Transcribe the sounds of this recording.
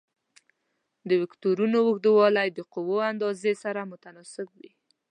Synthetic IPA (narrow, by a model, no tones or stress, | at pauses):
d̪əwɪkt̪oɾunowʊxd̪əwɑlajd̪əqʊwoand̪ɑzesaɾamʊt̪anɑsɪkwi